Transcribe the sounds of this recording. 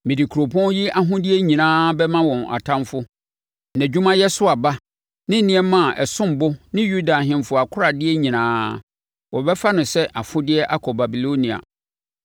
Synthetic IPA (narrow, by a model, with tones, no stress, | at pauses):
mɪ̃˨di˨kʰu˨ɾo˨pʰɔ̃˦n˦ji˦a˦ɦʊ̃˦dɪ˦ɛ˦ɲĩ˨nãː˦bɛ˦mã˦wɔ̃˨na̰˨tʰã˦mfʊ˦ | næ̃˨d͡ʑᶣu˦mã˦jɛ˦sʊ˦a˨ba˦ | nɪ̃˦n̩˦nɪ̃˦ɛ˦mã˦˨ʔɛ˨sʊ̃˦m˨bʊ˦nɪ̃˦ju˦da˨ɦɪ̃˦mfʊ˦a˨kʰʊ˦ɾa˨dɪ˦ɛ˦ɲĩ˨nãː˦ | wɔ˨bɛ˦fa˦nʊ̃˨sɛ˦ʔa˨fʊ˦dɪ˦ɛ˦ʔa˦kʰɔ˨ba˨bi˨lo˦nĩ˨a̰˨